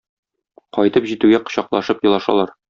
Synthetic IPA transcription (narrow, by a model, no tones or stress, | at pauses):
qɒjt̪ɤpʑit̪ʉɡæqɤ̥̆ɕɑqlˠɑʃɤpjɤ̆lˠɑʃɑ̰lˠɑɾ